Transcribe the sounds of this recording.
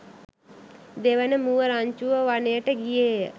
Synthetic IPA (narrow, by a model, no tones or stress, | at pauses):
d̪eʋənəmuʋəɾaɲt͡ʃuʋəʋanejəʈəɡijejə